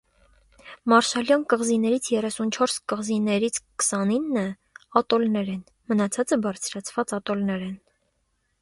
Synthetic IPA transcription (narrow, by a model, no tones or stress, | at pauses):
mɑɾʃɑljɑnkəʁzinɛɾit͡sʰjɛrɛsunt͡ʃʰɔɾskəʁzinɛɾit͡sʰkə̥sɑninːə | ɑt̪ɔlnɛɾɛn | mənɑt͡sʰɑt͡səbɑɾt͡sʰɾɑt͡sʰvɑt͡sɑt̪ɔlnɛɾɛn